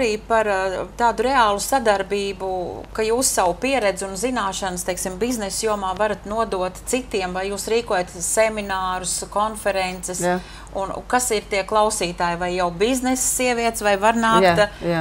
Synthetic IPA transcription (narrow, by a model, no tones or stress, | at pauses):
aɾiːpaɾt̪aːd̪uɾeaːlˠusad̪aɾbiːbukajuːsːawpiɛɾɛd̪zɪunzinaːʃanst̪ɛjksimbiznɛsjuɔmaːvaɾat̪nuɔd̪uɔt̪t̪sit̪iɛmvajjuːsɾiːkuɔjat̪sɛminaːɾʊskonfɛɾɛnt̪sɛs | unkasiɾt̪iɛklˠɑwsiːt̪aːjvajːawbiznɛssiɛviɛt̪svajvaɾnaːkt̪